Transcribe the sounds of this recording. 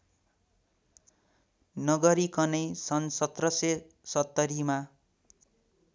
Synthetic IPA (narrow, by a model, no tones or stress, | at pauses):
nʌɡʌɾikʌnʌjsʌnsʌt̪rʌse | sʌt̪ːʌɾima